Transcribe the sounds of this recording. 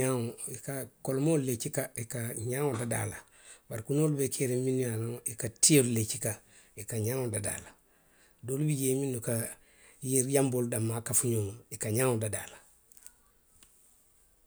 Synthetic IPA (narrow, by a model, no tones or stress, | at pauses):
aŋoikakolmolet͡ʃikaikaɲaŋodada̰ːla | baɾkunoːlubekʰeɾeminijanaŋikatiollet͡ʃika | ikaɲaːŋodada̰ːla | doːlubiɟeːminuka | jiɾjamboldamːakafuɲoːmikaɲaːŋodada̰ːla